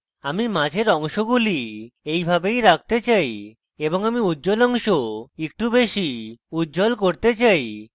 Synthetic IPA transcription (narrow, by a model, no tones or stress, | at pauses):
amimãd͡ʑʱeɾɔŋʃoɡuliejbʱabejɾak̚t̪et͡ɕaj | eboŋamiudːd͡ʑolɔŋʃoek̚ʈubeʃiudːd͡ʑolkoɾt̪et͡ɕaj